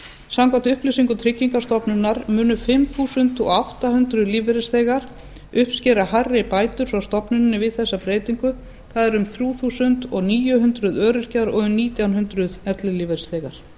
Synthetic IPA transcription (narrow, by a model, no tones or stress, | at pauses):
samkvant̪ʏhplɪsiŋkʏt̪ʰɾɪcːiŋkast̪ɔpnʏnːaɾmʏːnʏfɪmθuːsʏnt̪ɔ̰awht̪ahʏnt̪ɾʏðliːvɛɾɪsθeːjɣaɾ̥ | ʏhpscɛɾaharːɪpaːjt̪ʏɾ̥fɾawst̪ɔpnʏnːɪvɪðθɛsːapɾeːjt̪iŋkʏ | θaðɛɾʏmθɾjuːθuːsʏnt̪ɔɣniːjʏɦʏnt̪ɾʏðœːɾʏr̥caɾɔɣʏmniːt̪jawnɦʏnt̪ɾʏðɛt̪lɪliːvɛɾsθeːjɣaɾ̥